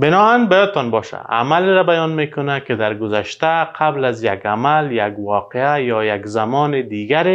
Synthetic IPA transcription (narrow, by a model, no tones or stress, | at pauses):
bɪnɔanbajɔd̪̚t̪ɔnbɔʃa̰a̰maleɾabajɔnmekʊnakɪd̪aɾɡʊzaʃt̪aqʰablazjaɡamaljaɡwɔqeajɔjaɡzamɔːnɪd̪iɡaɾe